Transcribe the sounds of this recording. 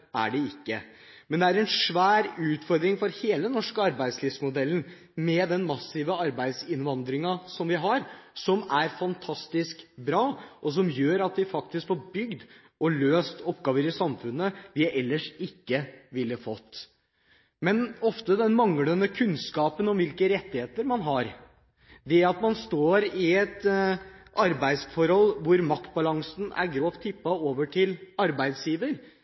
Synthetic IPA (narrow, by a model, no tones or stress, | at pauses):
æ̰ɖɛɪkːəmɛnd̪ɛæɾɛnʂʋæːɾʉːt̪fɔɾd̪ɾɪŋfɔɾheːl̪ənɔʂkəɑɾbæɪd̪slɪːʋsmʊd̪ɛlːən̩ | mɛd̪ɛnmɑsːɪʋəɑɾbæɪd̪sɪnʋɑnd̪ɾɪŋɑsɔmʋɪɦɑɾsɔmæɾfɑnt̪ʰɑst̪ɪskbɾɑːʔɔs̬ɔmjøːɾɑt̪̚d̪ɪfɑk̚t̪ɪskfɔbʏɡd̪ | ɔløːst̪ɔpːɡɑːʋəɾɪsɑmfʉnːəʋɪʔɛlːəʂɪkːəʋɪlːəfɔt̪ː | mɛnɔft̪əd̪ɛnmɑŋlənəkʰʉnskɑːpənɔmʋɪlkəɾɛt̪ːɪheːt̪əɾmɑnɦɑɾ | d̪ɛɑt̪mɑnst̪oːɾɪɛt̪ | ʔɑɾbæɪd̪sfɔɾhɔlːʋʊɾmɑkt̪̚bɑlɑŋsn̩æ̰ɾɡɾoːʋt̪ʰːɪpːɑoːʋəʈʰɪlɑɾbæɪd̪sjiːʋəɾ